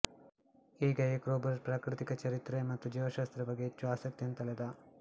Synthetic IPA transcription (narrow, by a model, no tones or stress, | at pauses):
iːɡɐekɾoːbɐɾspɾaːkɾit̪ikɐt͡ʃɐɾit̪ɾemɐt̪ːud͡ʒiʋɐʃaːst̪ɾɐbɐɡet͡ʃːuaːsɐk̚t̪jɐnt̪ɐled̪ɐ